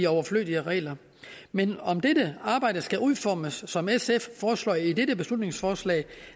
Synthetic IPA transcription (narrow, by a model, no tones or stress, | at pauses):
iɒʊɐflø̰ːlˠiəʁɛ̰ːlɐ | menɒ̽md̥edəɑ̈ːb̥ɑ̈ɪ̰d̥əsɡ̥æʔuðˠfɒːməsːɒ̽mesefːɒːslɒ̰ːideɾəb̥e̝slud̥ne̝ŋsfɒːslɛ̰ɪ